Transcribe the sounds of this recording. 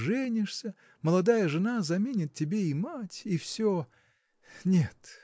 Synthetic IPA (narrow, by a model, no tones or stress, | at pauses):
ʐɛnʲɪʂsʲə | məlˠɐd̪ajəʐɨnazɐmʲenʲɪt̪̚tʲːɪbʲeimatʲifsʲo | nʲet̪